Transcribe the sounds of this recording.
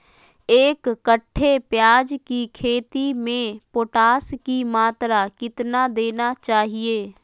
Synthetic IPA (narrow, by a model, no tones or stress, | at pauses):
eːkːəʈʰːepjaːd͡ʒkikʰeːt̪imẽpoːʈaːskimaːt̪ɾakɪt̪nad̪eːnat͡ʃaːɦieː